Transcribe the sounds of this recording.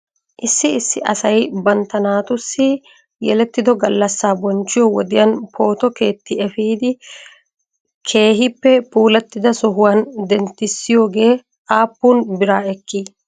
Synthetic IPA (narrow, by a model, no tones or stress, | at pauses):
ʔɪsːɪɪsːɪʔɐ̰sɐjbɐnt̪ɐnaːt̪ʊsːɪ | jɛlɛt̪ːɪd̪ɔɡɐlːɐsːaːbɔnt͡ʃːɪjɔwɔd̪ɪjɐnpʰo̞ːt̪ɔke̞ːt̪ːɪɛfiːd̪ɪ | kʰe̞ːɦɪpːɛpuːlɐt̪ːɪd̪ɐsɔɦʊwaːnd̪ɛnt̪ːɪsːɪjo̞ːɡe̞ː | aːpːuːnbɪɾaːɛkːi